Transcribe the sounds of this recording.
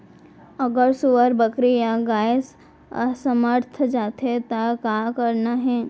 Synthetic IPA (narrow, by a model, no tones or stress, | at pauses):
əɡəɾsuʋəɾbəkɾijaɡaːjs | səməɾt̪ʰd͡ʒaːt̪ʰet̪akakəɾnaɦɛː